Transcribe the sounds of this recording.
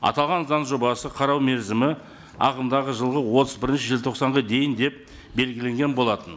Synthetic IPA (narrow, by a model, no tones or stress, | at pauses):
ɑ̰t̪ɑlˠʁɑnzɑnʒo̞bɑsəqʰɑɾɑwme̞ɾzɪmɪ | ɑ̰qəmd̪ɑʁəʒəlˠʁəwo̞t̪ʰəzbɪɾɪnʃɪʒɪlt̪ʰoqsɑɴʁəd̪e̞jɪnd̪e̞p̚ | be̞lɡʲɪle̞ŋɡʲe̞nbo̞lˠɑt̪ən